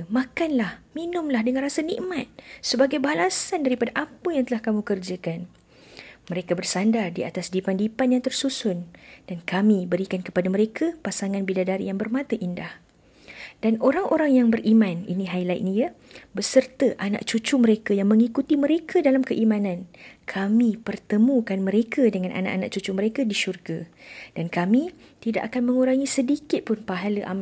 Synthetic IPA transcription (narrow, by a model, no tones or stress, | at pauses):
makanlahminʊmlahdəŋanrasanḭʔmat̪̚səbaɡajbalasandaɾipadaʔapəjaŋt̪əlahkamũkərd͡ʒakan | mə̃ɾekabərsandardia̰t̪asdipandipanjaŋt̪ərsusʊnd̥ankamĩbəɾikankəpadaməɾekʰapasaŋãnbidadaɾḭjaŋbərmãt̪əʔindah | d̥anoɾaŋoɾaŋjaŋbərʔimãnḭnĩɦajlaj̰ʔnijəbəsərt̪əʔana̰ʔt͡ʃut͡ʃuməɾekajaŋmə̃ŋikut̪iməɾekʰədalamkəʔimãnãnkʰamĩpərt̪əmũkanməɾekʰədəŋãnʔa̰na̰ʔana̰ʔt͡ʃut͡ʃuməɾekadiʃurɡad̥ankamĩt̪ida̰ʔakanmə̃ŋuɾaŋisədikɪt̪̚pʊnpaɦaləʔa̰m